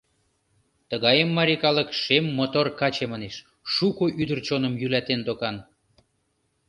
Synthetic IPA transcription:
t̪əɣɑjəmːɑɾʲikɑləkʃemːot̪orkɑt͡ɕeməneʃ | ʃukoʔyd̪ərt͡ɕonə̆mjylæt̪end̪okɑn

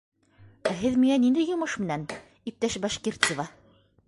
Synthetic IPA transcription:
æɦɘðmiŋænind̪ɘjŏmɤʃmɘ̆næn | ip̚t̪æʃbɑʃkert̪sɤvɑ

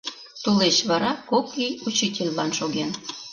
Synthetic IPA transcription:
t̪ulet͡ɕβɑɾɑkokːijut͡ɕitʲelʲlɑnʃoɣen

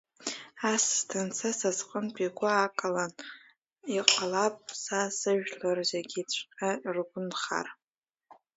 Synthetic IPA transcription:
asːtʰant͡sʰasasqʼənpʼiɡʷaakʼalan | iqʼalapʼsasɨʒᶣlarzaɡʲit͡ɕʷʰqʲʼarɡʷʊnχa̰r

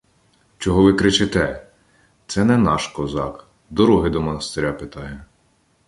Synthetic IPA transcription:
t͡ʃɔɦɔʋɪkɾɪt͡ʃɪt̪ɛ | t̪sɛnɛnɑʃkɔzɑk | d̪ɔɾuɦɪd̪ɔmɔnɐst̪eɾʲapɪt̪ɑjɛ

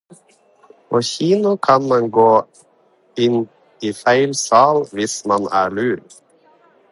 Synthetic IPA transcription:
oːçiːnʊkʰɑnmɑnɡoː | ɪn | iːfæɪlsɑːlʋɪsmɑnæːɭʉːɾ

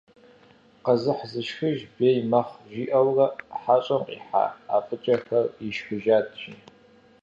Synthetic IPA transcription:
qɐzɨħzɨʃxɨʒbeːjmɐχʒiʔɐwrɐħat͡ʃʷʼɐmqʼḭħa̰apʼɨt͡ʃʼɐxɐriʃħʷʊʒaːtʰʼʒḭ

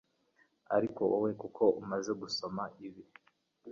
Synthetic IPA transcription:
a̰ɾiko̞owe̞kukʰo̞umaze̞ɡuso̞maiβi

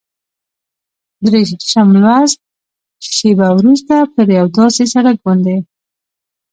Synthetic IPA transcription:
d̪ɾeʃamlwaz | ʃebawɾust̪apəɾjawd̪ɑsesaɽak̚bɑnd̪e

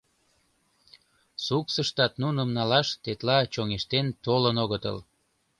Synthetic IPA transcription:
suksəʃt̪ɑt̪nunəmnɑlɑʃt̪et̪lɑt͡ɕoŋeʃt̪ent̪olənoɣət̪ə̰l

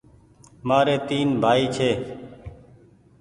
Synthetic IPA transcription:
maːɾeːt̪iːnbʱaːiːt͡ʃʰeː

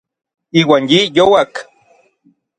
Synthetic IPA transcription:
iːwaːnjijowak

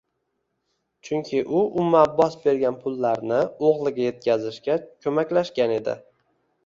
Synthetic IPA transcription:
t͡ʃʰʊŋkʲʰɪʔʊʔʊmːabɒsbe̞ɾɡʲanpʰʊlˠːaɾnɪoʁlˠɪɡʲaje̞t̪̚kʲʰazɪʃkʲakʲʰɵmakʲlaʃkʲane̞d̪ɪ̰

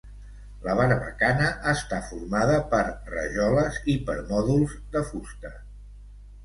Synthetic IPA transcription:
ləβaɾəβə̰kanəʔːst̪afuɾmaðəpəɾrə̰ʒɔləzipəɾmɔðulˠzd̪əfust̪ə

